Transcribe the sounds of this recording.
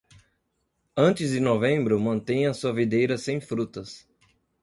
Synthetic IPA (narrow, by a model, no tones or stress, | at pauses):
ɐ̃nt͡ʃɪzd͡ʒɪnovẽmbɾʊmɐ̃nt̪ẽj̃ɐsuɐvid̪ejɾɐsẽj̃fɾut̪ɐs